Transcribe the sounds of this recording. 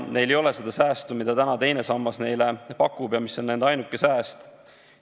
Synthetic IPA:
ne̞jlejo̞lese̞d̪̥ɑsæːst̪umid̪̥ɑt̪ænɑt̪e̞jne̞sɑmːɑsne̞jlepɑkːubjɑmisːo̞nːenɑjnukːˑe̞sæːst̪

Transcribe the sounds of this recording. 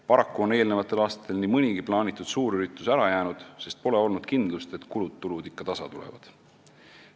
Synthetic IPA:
pɑɾɑkːuo̞ne̞ːlne̞vɑt̪ːˑe̞lɑːst̪ɑ̥t̪ːˑe̞lnimɨnʲiɡ̥iplɑːnʲit̪ːˑud̪̥suːɾyɾit̪ːˑusæɾɑjæːnud̪̥se̞st̪̚po̞le̞o̞lnud̪̥kind̪lust̪e̞t̪kulut̪ːulud̪ikːɑt̪ɑsɑt̪ulḛvɑ̰d̪̥

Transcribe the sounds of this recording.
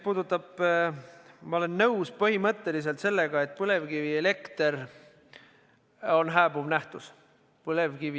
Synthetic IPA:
puːd̪ut̪ːˑɑb̥ | mɑole̞nːɤwspɤhimɤt̪ːe̞lis̬e̞lt̪se̞lːe̞ɡ̥ɑe̞t̪̚ːˑpɤle̞vɡiviele̞kt̪eɾ | o̞nɦæːb̥uvnæht̪us | pɤle̞vɡivi

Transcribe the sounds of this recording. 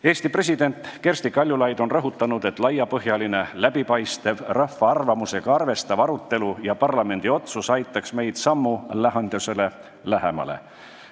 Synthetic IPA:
e̞ːst̪ipre̞s̬ʲid̪e̞nt̪ˑke̞rst̪ikɑlʲjulɑjd̪̥o̞nrɤɦut̪ːˑɑnud̪̥e̞t̪ˑlɑjːɑpɤɦjɑline̞læb̥ipɑjst̪e̞vrɑfːɑɑrvɑmuse̞ɡ̥ɑɑrve̞st̪ɑvɑɾut̪ːˑe̞lujɑpɑrlɑme̞nd̪̥io̞t̪susɑjt̪ːˑɑksme̞jd̪̥sɑmːulæɦɑnd̪̥use̞le̞ | læɦe̞mɑ̰lḛ

